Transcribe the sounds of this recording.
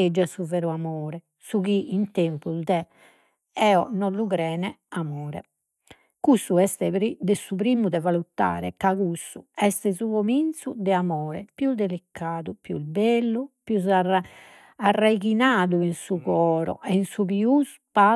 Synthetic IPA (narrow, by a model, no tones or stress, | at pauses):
ed͡ʒːɛsuvɛɾuamɔːɾɛ | sukiint̪empuzd̪ɛ | ɛːɔnɔlukɾɛːnɛamɔːɾɛ̰ | kusuɛst̪ɛɾid̪ɛsupɾiːmud̪ɛvalut̪ːa̰ːɾɛ̰kaɣusːuɛst̪ɛsuɣomint̪sud̪ɛamɔːɾɛpjuld̪elikʰːaːðupjṵlbelːupjuz̬a | arːajkinaːðuinsuɣɔːɾɔ̰ʔɛinsuβius | pa